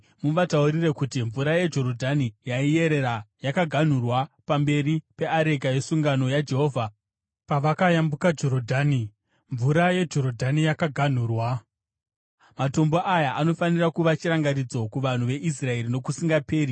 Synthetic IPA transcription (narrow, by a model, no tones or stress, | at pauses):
muʋatauɾirekutiɱvuɾajed͡ʒo̞ɾo̞dʱanijaije̞ɾe̞ɾajakaɡʱan̤urwapambe̞ɾipe̞aɾe̞ɡaje̞suŋɡano̞jad͡ʒe̞ɦo̞ːvʱa | paʋakajambukad͡ʒo̞ɾodʱaːni | ɱvuɾaje̞d͡ʒo̞ɾodʱanijakaɡʱan̤uːrwa | mato̞mbo̞ʔajaʔano̞fanirakuʋat͡ʃiɾaŋɡaɾid͡zo̞kuʋan̤uʋe̞ʔis̬rae̞ɾino̞kusiŋɡape̞ːɾi